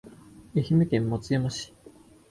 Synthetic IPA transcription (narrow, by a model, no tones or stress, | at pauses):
eçimɯ̟kẽmːot͡sɨjomoɕi̥